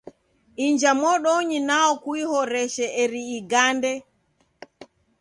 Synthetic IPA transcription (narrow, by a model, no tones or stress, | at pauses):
ʔiɲd͡ʒamɔɗoɲinaɔkuihɔɾɛʃɛʔɛɾiːɡandɛ